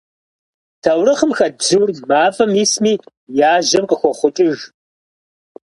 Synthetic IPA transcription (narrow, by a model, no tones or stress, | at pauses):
tʰɐwrɨχəmxɐzɨwrmaːfɐmismiː | jaːʒɐmqʼəxʷɔχʷʊt͡ʃʼɪʒ